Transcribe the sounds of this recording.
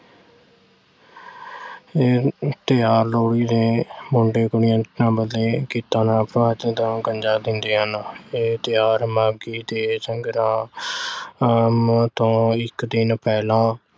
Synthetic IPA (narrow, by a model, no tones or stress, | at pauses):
eːt̪ɪjaːɾloːɽiːd̪eːmʊɳɖeːɡʊɽɪjãːt̪nãːbəlːeːkiːt̪ãːnãːpɾʋaːt̪ẽːt̪õːɡəɲd͡ʒaːd̪ɪnd̪eːɦəneːt̪ɪjaːɾmaːɡiːd̪eːsəŋɡɾãː | mt̪õːɪkd̪ɪnpɛːlãː